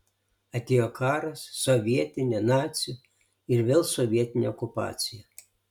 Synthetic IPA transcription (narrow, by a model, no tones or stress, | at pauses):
ɐt̪ʲeːjokʰɑːɾɐsːɔʋʲiɛt̪ʲɪnʲɛnɑːt̪sʲju | ɪɾʋʲɪlˠsɔʋʲiɛt̪ʲɪnʲɛɔkʊpɑ̰ːt̪sʲɪjɛ